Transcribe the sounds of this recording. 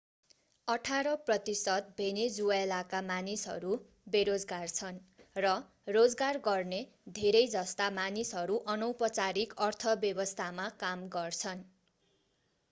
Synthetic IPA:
ʌʈʰaɾʌprʌt̪isʌt̪̚bʱened͡zuajlakamanisɦʌ̰ɾu | beɾod͡zɡart͡sʰʌnrʌ | rod͡zɡarɡʌrne | d̪ʱeɾʌjd͡zʌst̪amanisɦʌɾuʔʌnʌwpʌt͡saɾikʌrt̪ʰʌbjʌbʌst̪ʰamakamɡʌrt͡sʰʌn

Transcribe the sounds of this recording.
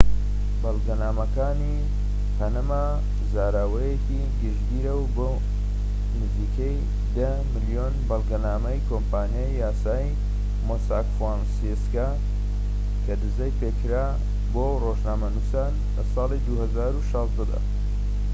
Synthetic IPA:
bɐlˠɡɐnaːmɐkaːni | pʰɐnɐma | zaːɾaːwɐjeki | ɡɨʒd̪iːɾɐwbo | nɨziːkʰɐj | d̪ɐ | mɨlijonbɐlˠɡɐnaːmɐjkʰoːmpʰaːnjajːaːsaːj | mosakfɾansiska | kʰɐd̪ɨzɐjpeːkʰɾa | boːroʒnaːmɐnusaːn | lɐsˤɑːlid̪uhɐzaːɾuʃɑːzd̪ɐd̪ɐ̰

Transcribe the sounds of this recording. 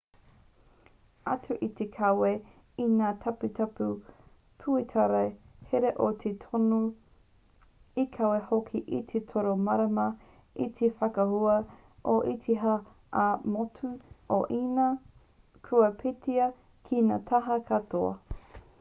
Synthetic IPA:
ɐtʰuʔit̪ekʰawe | inaːt̪ʰɐputʰɐpu | pʰuet̪ʰɐɾɐ | heɾeʔot̪ʰetʰono | ikʰɐwehokʰiʔit̪ʰetʰoɾomɐɾɐmɐ | it̪ʰefɐkɐhuɐ | ʔoʔit̪ʰiɦɐː | motʰuoʔiːnɐ | kʰuɐpʰetʰiɐ | kʰina̰ːt̪ʰɐɦɐkʰɐtʰoɐ̰

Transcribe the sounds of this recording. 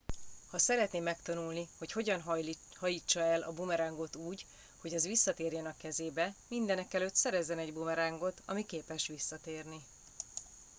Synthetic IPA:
hɒsɛɾɛt̪neːmːɛkt̪ɒnulniho̞cho̞ɟɒnɦ | hɒjiːt͡ʃːɒɛlʔɒbumɛɾaːŋɡo̞t̪uːɟ | ho̞ɟɛzʋisːɒt̪eːrjɛnɒkːɛzeːbɛmind̪ɛnɛkɛløt̪sɛɾɛzːɛnɛɟbumɛɾaːŋɡo̞t̪ʰɒ̰mikeːpɛʃʋisːɒt̪eːrni

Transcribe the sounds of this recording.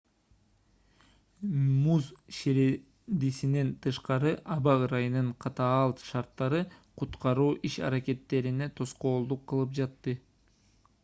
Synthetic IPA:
muzʃeɾe | d̪isinent̪ʰɯʃqɑɾɯʔɑβɑɾɑjɯnɯɴqʰɑt̪ɑːɑlˠt̪ʃɑɾt̪ːɑɾɯqʰut̪qɑɾuːʔiʃɑ̰ɾake̞t̪ːe̞ɾine̞t̪ʰo̞sqo̞ːlˠd̪uqʰːɯlˠɯpd͡ʒɑt̪ːɯ

